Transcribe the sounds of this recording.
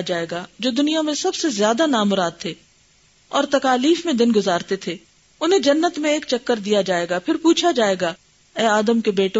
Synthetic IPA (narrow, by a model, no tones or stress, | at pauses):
d͡ʒaːeːɡad͡ʒoːd̪ʊnijamẽsɐbsezjaːd̪anaːmʊɾaːd̪̚t̪ʰeː | ɔːɾt̪ɐkaːliːfmẽd̪ɪnɡʊzaːɾt̪et̪ʰeː | ʊnɦẽd͡ʒɐnːət̪mẽeːkt͡ʃɐkːəɾd̪ijad͡ʒaːeːɡapʰɪɾpuːt͡ʃʰad͡ʒaːeːɡaː | ɛːaːd̪əmkebeːʈõ